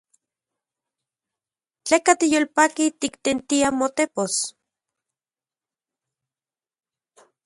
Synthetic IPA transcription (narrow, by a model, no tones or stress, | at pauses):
t͡ɬekat̪ijolpakit̪ikt̪ent̪iamot̪epos